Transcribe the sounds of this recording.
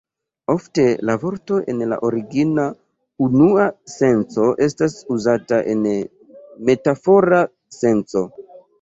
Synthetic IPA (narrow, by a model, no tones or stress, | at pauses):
o̞fte̞lavo̞ɾto̞ʔe̞̰nla̰ʔoɾiɡina | unuase̞nt͡so̞ʔe̞stasuzataʔe̞n | me̞tafo̞ɾa | se̞nt͡so̞